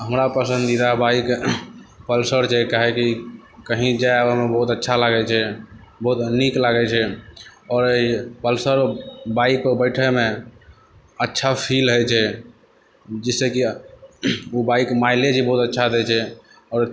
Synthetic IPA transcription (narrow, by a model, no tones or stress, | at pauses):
ɦəmɾapəsə̃nd̪id̪abaik | pəlsəɾt͡ʃʰɛkaɦɛki | kəɦĩd͡ʒaabamebəɦut̪ətːʃʰalaɡɛt͡ʃʰɛbəɦut̪niklaɡɛt͡ʃʰɛɔːɾeipəlsəɾbaik̚pebəɪʈʰɛme | ətːʃʰapʰilɦəjt͡ʃʰɛ | d͡ʒɛseki | ubaikmailed͡ʒibəɦut̪ətːʃʰad̪ɛt͡ʃʰɛ | ɔːɾ